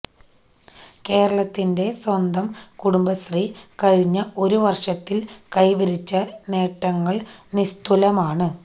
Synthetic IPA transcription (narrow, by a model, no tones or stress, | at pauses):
ke̞ːɾɐɭɐt̪ːinde̞swɐnd̪ɐmkuɽumbɐst̪rikɐɻiɲːɐo̞ɾuʋɐrʂɐt̪ːilkɐjʋɐɾit͡ɕːɐne̞ːʈːɐŋːɐɭnist̪ulɐmaːɳɨ